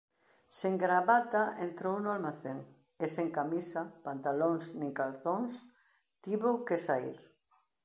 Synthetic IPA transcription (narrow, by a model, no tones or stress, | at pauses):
seŋɡɾaβat̪aent̪ɾownʊalmaθeŋ | eseŋkamisapant̪aloŋsnĩŋkalθoŋs | t̪iβokesaḭɾ